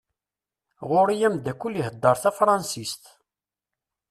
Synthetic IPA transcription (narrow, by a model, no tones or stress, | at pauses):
ʁʊɾijæmd̪ækːuliɦəd̪ːəɾˤθæfɾˤɑnsist̪